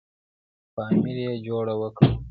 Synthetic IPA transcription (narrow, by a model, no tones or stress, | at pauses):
fɑːmilijed͡ʒoɽawəkəw